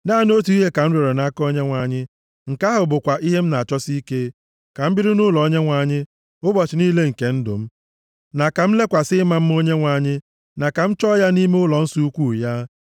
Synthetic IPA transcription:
naː˦˨no˦t̬u˨˦i˦ɦe˦ka˨n̩˦ɾe˨ɾe˨na˦kɔ˦ɲe˦ŋʷa˨ɲɪ˦ | ŋ̩˨ka˦ɦʊ˨bʊ˨kʷa˨ʔi˦ɦe˦m̩˦na˨a˨t͡ʃɔ˦si˦ke˦ | ka˨m̩˦bi˦ɾi˦nʊ˦lɔ˨o˦ɲe˦ŋʷa˨ɲɪ˦ | ʊ˦bɔ˨t͡ʃɪ˨niː˦le˦ŋ̩˨ke˦n̩˦dʊ̰˨m̩˦ | na˨ka˨m̩˦le˦kʷa˨sɪ˦ma˦m̩˦mo˦ɲe˦ŋʷa˨ɲɪ˦ | na˨ka˨m̩˦t͡ʃɔ˦ja˦ni˦me˦ʊ˦lɔ˨n̩˦su˦u˦kʷu˦˨ja˦

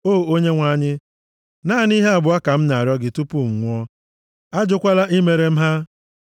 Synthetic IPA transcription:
o˦˨o˦ɲe˦ŋʷa˦˨ɲɪ˦ | na˦˨ni˦ɦe˦a˨bʊ˨a˦ka˨m̩˦na˨a˨ɾjɔ˦ɡɪ˨tu˦pu˦˨ŋʷ˦ɔ˦ | a˦d͡ʒʊ˦kʷa˦la˦ʔi˦me˨ɾe˨m̩˦ɦa˦

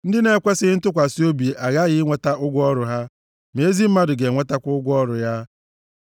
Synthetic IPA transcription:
n̩˦dɪ˦ne˨kʷe˦sɪ˦n̩˦tʊ˦kʷa˨si˦o˦bi˨ʔa˨ɣa˦ɣɪ˦ŋʷe˦ta˦ʔʊ˦ɡʷɔ˦ɾʊ˨ɦa˦ | me˨e˦zi˦m̩˦ma˦dʊ˨ɡe˨ŋʷe˦ta˦kʷʊ˦ɡʷɔ˦ɾʊ˨ja˦

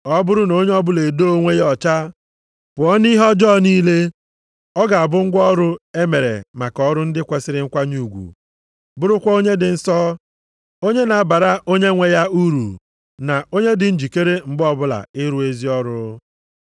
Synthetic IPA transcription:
ɔ˦bʊ˦ɾʊ˦no˦ɲe˦ɔ˦bʊ˦le˨do˦o˦ŋʷe˦jɔ˨t͡ʃa˦ | pʊ˨ɔ˦ni˦ɦɔ˦d͡ʒɔ˦˨ni˦le˦ | ɔ˦ɡa˨a˨bʊ˦ŋ̩˦ɡʷɔ˦ɾʊ˦e˦me˨ɾḛ˨ma˨kɔ˦ɾʊ˦n̩˦dɪ˦kʷe˨sɪ˦ɾɪ˦ŋ̩˦kʷa˦ɲu˨ɡʷṵ˨ | bʊ˦ɾʊ˦kʷɔ˦o˦ɲe˦dɪ˨n̩˦sɔ˦ | o˦ɲe˦na˨a˦ba˨ɾa˦ʔo˦ɲe˦ŋʷe˨ja˦u˦ɾṵ˨ | na˨o˦ɲe˦dɪ˨n̩˦d͡ʒi˨ke˦ɾe˦m̩˨bɔ˦bʊ˦la̰˨ɪ˦ɾu˦e˦zi˦ɔ˦ɾʊ˦

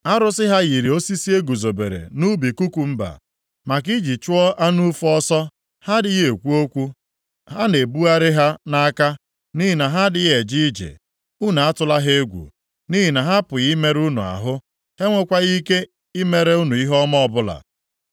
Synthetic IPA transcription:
a˦ɾʊ˦sɪ˦ɦa˦ɣi˨ɾi˨o˦si˦si˦e˦ɡu˨zo˨bḛ˨ɾḛ˨nu˦bi˨ku˦kʷu˨m̩˦ba̰˨ | ma˨k̬i˦d͡ʒi˨t͡ʃʊ˦ɔ˦a˦nu˦fɔ˦sɔ˦ | ha˦dɪ˦ɣe˨kʷu˦o˦kʷu˦ | ɦa˦ne˨bu˦a˦ɾɪ˦ɦa˦na˦a˦ka˦ | ni˦ɦi˨na˨ɦa˦dɪ˨ɣe˨d͡ʒi˦d͡ʒḛ˨ | u˦n˨a˦tʊ˦la˦ɦe˦e˦ɡʷṵ˨ | ni˦ɦi˨na˨ɦa˦pʊ˨ɣi˦me˦ɾu˦nṵ˨a̰˨ɦʊ˦ | he˦ŋʷe˦kʷa˦ɣi˦ke˦ | i˦me˨ɾe˦u˦nu˨i˦ɦɔ˦mɔ˦ɔ˨bʊ˦la̰˨

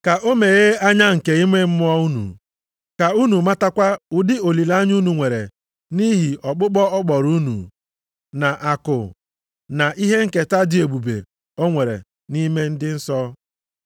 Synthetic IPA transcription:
ka˨ʔo˦me˨ɣe˦a˦ɲa˦ŋ̩˨ke˨i˦me˦m̩˦mʊ˦ɔ˦u˦nṵ˨ | ka˨u˦nu˨ma˦ta˦kʷa˦ʊ˦dɪ˦o˨li˨la˦ɲu˦nu˨ŋʷe˨ɾḛ˨ | ni˦ɦi˨ɔ˨k͡pʊ˦k͡pɔ˦ɔ˦k͡pɔ˨ɾu˦nṵ˨ | na˨ʔa˨kʊ̰˨ | na˨ʔi˦ɦe˦ŋ̩˨ke˨ta˦dɪ˨o˨ɡ͡bu˨bḛ˨ | ɔ˦ŋʷe˨ɾḛ˨ | ni˦me˦n̩˦dɪ˦n̩˦sɔ˦

